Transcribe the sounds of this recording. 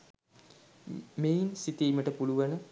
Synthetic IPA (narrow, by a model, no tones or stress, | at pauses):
meːinsit̪iːməʈəpuluʋanə